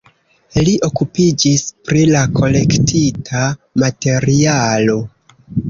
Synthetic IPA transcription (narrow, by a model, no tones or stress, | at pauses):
liʔo̞kupid͡ʒispɾilakʰo̞le̞ktitʰamate̞ɾialo̞